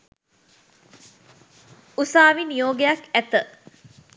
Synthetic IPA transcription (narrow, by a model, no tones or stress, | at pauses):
usaːʋinijoːɡejakæt̪ə